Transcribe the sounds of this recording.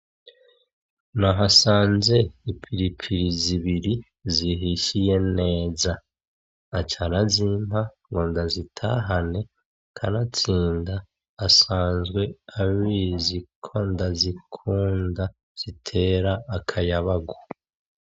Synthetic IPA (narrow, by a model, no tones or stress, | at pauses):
naɦasaːnze̞ipʰiɾipʰiɾiziβiɾi | ziɦiʃije̞ne̞ːzaː | t͡ʃaɾazimɦaŋɡoːndazitʰa̰ɦane̞ | kʰa̰nat͡siːndaː | saːnzɡwe̞aβiːzikʰo̞ndazikʰuːnda | z̥itʰe̞ːɾaːkʰajaβaɡo